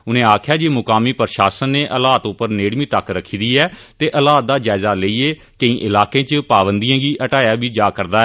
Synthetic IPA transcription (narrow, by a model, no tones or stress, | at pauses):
ʊnẽːaːkʰjaːd͡ʒiːmʊkaːmiːpəɾʃaːsənːeːʔəlaːt̪ʊpːəɾneːɽmiːt̪əkɾəkʰːiːd̪iːɛːt̪eːʔəlaːt̪̚d̪aːd͡ʒaːɪzaːləiːeː | kəĩːʔɪlaːkẽːt͡ʃəpaːbənd̪ijãːɡiːʔəʈaːjaːbiːd͡ʒaːkəɾd̪aːɛː